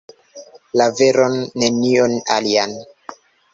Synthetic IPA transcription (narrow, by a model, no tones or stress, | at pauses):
laveɾonːe̞niona̰lian